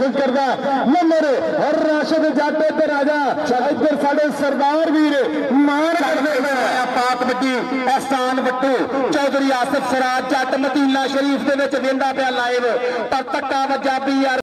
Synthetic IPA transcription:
əd͡ʒkəɾd̪aː | nəməɾ | ɦoɾːaːʃed̪eːd͡ʒaːʈ̪ːeːk̪əɾaːd͡ʒaːəd̪əɾsaːɖeːsəɾd̪aːɾʋiːɾ | maːnkəɾd̪eːd̪eːɾaːjaːpaːkbəʈːiːɛːsaːnʋəʈːoːt͡ʃɔːd̪ɾiːaːsəpsəɾaːt̪̚d͡ʒaːʈmət̪iːlːaːʃəɾiːpʰd̪eːʋɪt͡ʃʋẽːnd̪aːpɪãːlaːɪʋt̪ət̪əkːaːʋəd͡ʒaːbiːaːɾ

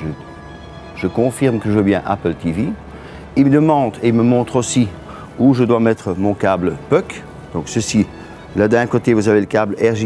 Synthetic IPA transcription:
ʒə | ʒəkɔ̃fiʁmkəʒəvjɛ̃ʔa̰pəlt̪ivi | ild̪əmɑ̃ːd̪eməmɔ̃ːt̪χosi | uʒəd̪wamɛt̪χəmɔ̃kabləpœk | d̪̥ɔ̃ksəsi | lad̪ɛ̃kot̪evuzaveləkablɛʁʒi

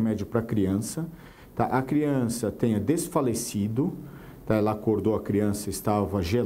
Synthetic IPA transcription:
emɛd͡ʒʊpɾɐkɾiɐ̃sɐ | t̪aʔɐkɾiɐ̃sɐt̪ẽɲɐd̪esfalesid̪ʊ | t̪aɛlɐakoɾd̪owɐkɾiɐ̃sɐɪst̪avɐʒe

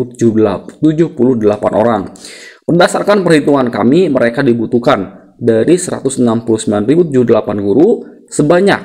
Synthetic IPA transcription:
t̪̚d͡ʒulat̪ud͡ʒʊhpulʊhdəlapanʔo̰ɾaŋpərdasarkanpərhit̪uŋanka̰miməɾekadibut̪ukan | daɾisəɾa̰t̪ʊsnampulʊhsəmilanribʊt̪̚d͡ʒudəlapanɡuɾu | səbaɲa̰k̚

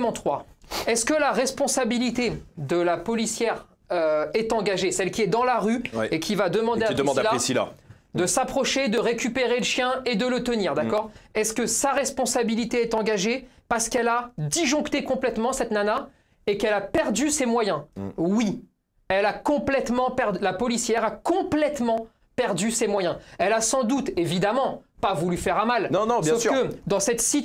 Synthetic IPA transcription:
mɑ̃t̪χwaɛskəlaʁɛspɔ̃sabilit̪ed̪əlapɔlisjɛʁ | øɛt̪ɑ̃ɡaʒesɛlkʲiɛd̪ɑ̃laʁyekʲʰivad̪əmɑ̃d̪eaəm̃aaesila̰ | d̪əsapχɔʃed̪əʁekʲypeʁeləʃjɛ̃ed̪ələt̪əniʁd̪akɔʁɛskəsaʁɛspɔ̃sabilit̪eɛt̪ɑ̃ɡaʒepaʁsə̥kɛlad̪iʒɔ̃kt̪ekɔ̃plɛt̪mɑ̃sɛt̪nana | ekɛlapɛʁd̪ysemwajɛ̃wi | ɛlakɔ̃plɛt̪mɑ̃pɛʁd̪ylapɔlisjɛʁakɔ̃plɛt̪mɑ̃ | pɛʁd̪ysemwajɛ̃ɛlasɑ̃d̪ut̪evid̪amɑ̃pavulyfɛʁamalnɔ̃nɔ̃bsɔfkəd̪ɑ̃sɛt̪sit̪

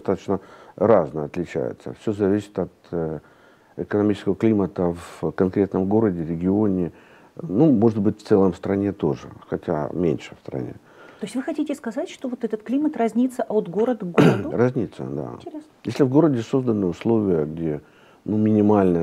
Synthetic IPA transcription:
st̪at̪ət͡ɕnəɾaznəɐt̪lʲɪt͡ɕæ̰jɪ̰t̪sə̰fsʲozɐvʲisʲɪ̥t̪ɐt̪ | ɪkənɐmʲit͡ɕɪskəvəklʲimət̪əvkɐnkɾʲe̞t̪nəmɡo̞ɾədʲɪɾʲɪɡʲɪonʲɪ | numo̞ʐɨt̪̚bɨtʲft̪sɛlˠəmst̪ɾɐnʲet̪o̞ʐɨ̰xɐtʲa̰mʲḛnʲʂɨ̥fst̪ɾɐ̰nʲḛ | t̪oɪsʲt̪ʲvɨxɐtʲitʲɪskɐzatʲʂt̪ovot̪ɛt̪ət̪klʲimət̪rɐzʲnʲit̪səʔod̪ɡoɾəd̪ɡɾɐzʲnʲit̪sə̰d̪a̰ | jesʲlʲɪvɡo̞ɾədʲɪso̞zd̪ənɨʊslˠo̞vʲɪjəɡdʲe̞ | numʲɪnʲɪmalʲnɨ

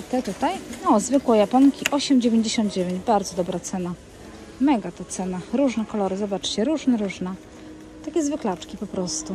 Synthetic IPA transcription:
t̪ɛt̪ut̪ajnɔzvɘkwɛjapɔŋkʲiʔɔɕɛmd͡ʑevʲeɲd͡ʑeɕɔnd̪̚d͡ʑevʲjeɲd͡ʑbaɾd̪zɔd̪ɔbɾat̪sɛna | mɛɡat̪ɔt̪sɛnaɾuʐnɛkɔlɔɾɘzɔbat͡ʂt͡ɕɛɾuʐnɛɾuʐnɛ | t̪akʲɛzvɘklat͡ʂkʲipɔpɾɔst̪u

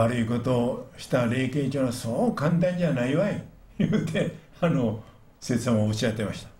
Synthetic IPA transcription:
aɾɯiko̞t̪oɕi̥t̪aɾe̞ːkẽ̞ːɲt͡ɕoːnasokãnt̪̬ãɲd͡ʑanaiβai | jɯt̪ʰe̞ | ano | se̞t͡sɨamõoɕiat̪ːemaɕi̥t̪ḁ

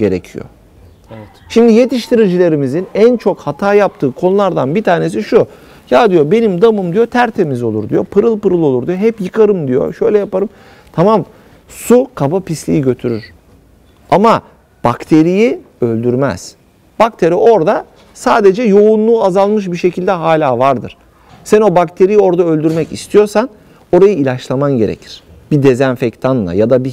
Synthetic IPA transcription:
ɟe̞ɾe̞̰cʰijo̰ | ʃimd̪ije̞t̪iʃt̪ʰiɾid͡ʒilʲe̞ɾimizinænt͡ʃʰo̞khat̪ʰaːjap̚t̪ʰɯːkʰo̞nulˠaɾd̪anbit̪ʰaːne̞s̬iʃu | jaːd̪ijo̞be̞nimd̪amɯmd̪ijo̞t̪ʰæɾt̪ʰe̞mizo̞lˠṵɾd̪ijo̞pʰɯɾɯlˠpɯɾɯlˠo̞lˠuɾd̪ijoɦɛpjɯkʰaɾɯmd̪ijo̰ʃø̞jlʲɛjapaɾɯm | t̪ʰamam | sukʰabapislʲḭjiɟø̞t̪ʰyɾyɾ̥ | ama | b̥akt̪ʰe̞ɾiji | ø̞lʲd̪yɾmɛ̰z̥ | b̥ak̚t̪ʰe̞ɾio̞ɾd̪a | saːd̪e̞d͡ʒɛjo̞unlˠuːazalˠmɯʃ̬biʃe̞cʰilʲd̪ɛɦaːlʲaːvaɾd̪ɯ̰ɾ̥ | sæno̞bakt̪ʰe̞ɾijio̞ɾd̪aølʲd̪yɾmɛcḭst̪ʰijo̞ɾsan | o̞ɾajɯilʲat͡ʃlˠamanɟe̞ɾḛcʰiɾ̥ | b̥id̪e̞zænfɛct̪ʰanlˠa̰jad̪abi

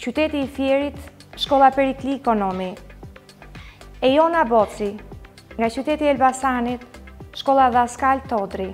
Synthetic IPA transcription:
t͡ɕyt̪ɛt̪iːfjɛɾit̪ | ʃkɔlˠapɛɾiklikɔnɔmi | ɛjɔnabɔt͡siŋɡat͡ɕyt̪ɛt̪iɛlbasanit̪ʃkɔlˠaðaskalt̪ɔd̪ɾi

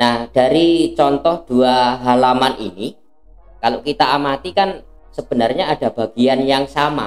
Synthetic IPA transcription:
nahd̥aɾit͡ʃɔnt̪ɔhd̥uaɦalamanʔḭni | kalokit̪aʔamat̪ikan | səb̥ənarɲaːd̥a̤b̥a̤ɡ̥ianjaŋsama̰

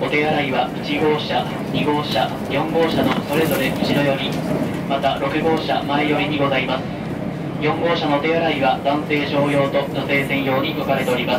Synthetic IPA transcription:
o̞t̪e̞aɾaiβait͡ɕiɡo̞ːɕa | ɲ̟iɡo̞ːɕa̰ | jõ̞ŋɡo̞ːɕano̞so̞ɾe̞zo̞ɾe̞it͡ɕino̞jo̞ːɲʲi | mat̪aɾo̞kɯ̟ɡo̞ːɕa̰maejo̞iɲ̟iɡo̞zaimasɨ̥ | jõ̞ŋɡo̞ːɕano̞t̪e̞aɾaiβad̪ãɰ̃se̞ːɕo̞ːjo̞ːt̪o̞d͡ʑo̞se̞ːsẽ̞ɰ̃jo̞ːɲ̟ikakaɾe̞t̪e̞oɾʲimas

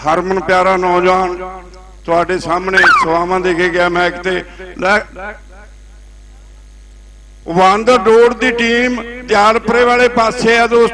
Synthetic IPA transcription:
həɾmənpɪjaːɾaːnɔ̃ːd͡ʒʋaːn | t̪ʊaːɖeːsaːmneːsəʋaːʋãːd̪eːkʰeːɡɪaːmɛ̃ːkt̪eːlɛː | ʋãːnd̪əɾɖoːɖd̪iːʈiːmt̪ɪjaːlpɾeːʋaːleːpaːseːɛd̪oː

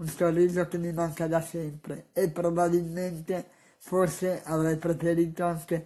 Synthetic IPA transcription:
unsorːiːzokemːimaŋkad̪asɛmpɾeːpːɾobabilment̪e | forseʔavɾɛjpɾefeɾiːt̪oaŋke

